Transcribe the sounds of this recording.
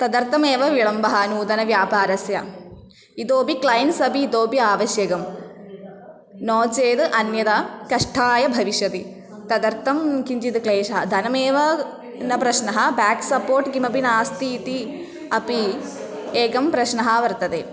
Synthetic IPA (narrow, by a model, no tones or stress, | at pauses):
t̪ɐd̪ɐɾt̪ʰɐmeːʋɐʋiɭɐmbɐɦaːnuːd̪ɐnɐʋjaːpaːɾɐsjɐ | it̪oːbiklɐjɐnsɐbiːd̪oːbiaːʋɐʃjɐɡɐm | noːt͡ʃeːd̪ɨʔɐnjɐt̪akɐʂʈʰaːjɐbʱɐʋiʃjɐt̪i | t̪ɐd̪ɐɾt̪ʰːɐmkiɲd͡ʒid̪ɨkleːʃɐɦɐd̪ʱɐnɐmeːʋɐ | nɐpɾɐʃnɐɦɐbaːksɐpoːɾʈɡimɐbinaːst̪iːt̪i | ɐpi | eːɡɐmpɾɐʃnɐɦɐʋɐɾt̪ɐt̪eː